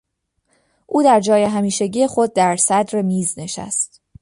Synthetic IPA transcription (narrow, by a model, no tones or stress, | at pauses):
ʔuːd̪æɾd͡ʒɒːje̞ɦæmiːʃeɟiːje̞xo̞d̪̚ːæɾsæd̪ɾemiːzne̞ʃæ̰st̪